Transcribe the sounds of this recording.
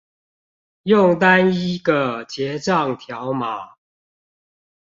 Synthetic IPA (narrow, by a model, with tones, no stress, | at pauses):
jʊ˥˨ŋt̪a˦ni˦˥ɡə˨t͡ɕjɛ˨˥ʈ͡ʂɑ˥˨ŋt̪ʰjɑ˨˦ʊma˨˩˦